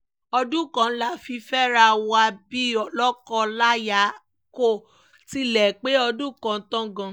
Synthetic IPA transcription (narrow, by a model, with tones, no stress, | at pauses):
ɔ˧dũ˦kã˧n̩˦la˦˨fi˧fɛ˦ɾa˧wa˧bi˦ɔ˦lɔ˦kɔ˦la˦ja˨˦ | ko˦˨ | ti˦lɛ˨k͡pe˦ɔ˧dũ˦˨kã˧˦tã˦ɡã˧